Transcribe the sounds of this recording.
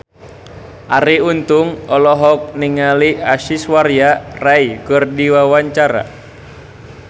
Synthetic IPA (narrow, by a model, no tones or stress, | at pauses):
ʔaɾiunt̪uŋɔlɔɦɔk̚niŋaliaʃiswarjaraikərdiwawaɲt͡ʃaɾa̰